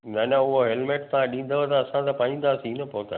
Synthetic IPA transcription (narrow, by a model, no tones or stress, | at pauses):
naːnãʊɦoɦelmeːʈ̚t̪ɐãɗĩːn̆d̪əʋət̪ɐɐsãt̪ɐpaːĩːnd̪aːsinɐpoːt̪a̰